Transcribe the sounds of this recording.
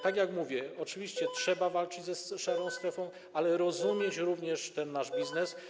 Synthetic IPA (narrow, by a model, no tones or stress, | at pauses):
t̪aɡjakmuvʲjɛɔt͡ʂɘvʲiɕt͡ɕɛtʂɛbavalt͡ʂɘd͡ʑzɛsʂaɾɔ̃w̃st̪ɾɛfɔ̃w̃ | alɛɾɔzumʲjeɛt͡ɕɾuvɲɛʂt̪ɛnːaʐbʲiznɛs